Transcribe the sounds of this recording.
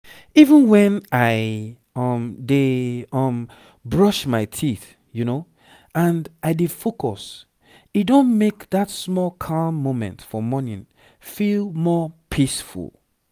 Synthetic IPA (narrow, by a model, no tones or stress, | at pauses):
ivə̃nwɛ̃naɪ | ʌmdeɔm | bɹʌʃmaɪtʰiθ | juno | ãndaɪdefokʰɔs | itdõnmekðatsmɔlˠkʰãmːõmɛ̰̃ntfɔmɔnĩn | filˠmɔpʰisfṵlˠ